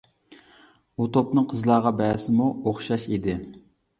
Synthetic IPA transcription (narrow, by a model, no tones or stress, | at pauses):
ut̪opnɨŋqʰəzlˠɑːʁɑbɛːsɪmuoχʃɑʃid̪ɪ